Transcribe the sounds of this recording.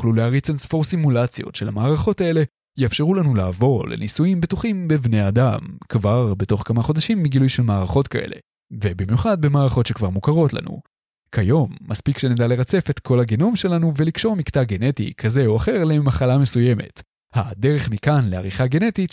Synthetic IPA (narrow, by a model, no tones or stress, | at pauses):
juχluleaʁit͡sansfo̞ʁsimulat͡sjo̰tʃe̞lhamaːʁaχo̞tae̞le̞ | jeafʃe̞ʁulanulaːvo̞lḛnisujimbetuχimbevne̞jadamkvaʁbe̞to̞χkamaχo̞d̪aʃimːiɡilujʃelmaːʁaχo̞tkaʔe̞̰le̞̰ | ve̞bimjuχad̪̚bemaːʁaχo̞tʃekvaʁmukaʁo̞tla̰nṵ | kʰajo̞mːaspikʃe̞nedale̞ʁat͡se̞fe̞tkʰo̞lhaɡeno̞mʃe̞lanuvelikʃo̞ʁmiktaɡe̞ne̞tḭkʰaze̞oaχe̞ʁlemaχalame̞suje̞me̞̰t | hadeʁe̞χmikanle̞a̰ʁiχaɡe̞ne̞tit